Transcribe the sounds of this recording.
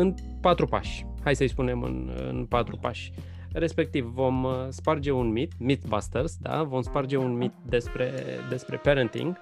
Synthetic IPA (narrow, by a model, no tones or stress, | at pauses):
ɨn | pat̪ɾupa̰ʃʲ | hajsəjspune̞mɨ̰nɨ̰npat̪ɾupaʃʲ | re̞spe̞k̚t̪ivvo̞mspard͡ʒe̞unmit̪mit̪bast̪ersd̪a̰vo̞mspard͡ʒe̞unmit̪̚d̪e̞spɾe̞d̪e̞spɾe̞̰peɾənt̪ḭŋɡ